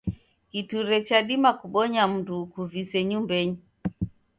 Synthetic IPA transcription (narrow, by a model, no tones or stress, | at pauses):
kituɾɛt͡ʃaɗimakuɓɔɲam̩dukuvisɛɲumbɛɲi